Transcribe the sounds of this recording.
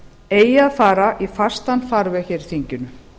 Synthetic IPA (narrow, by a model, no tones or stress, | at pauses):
eːjaðfaːɾaʔifast̪anfaɾvɛçɛɾθiɲcʏnʏ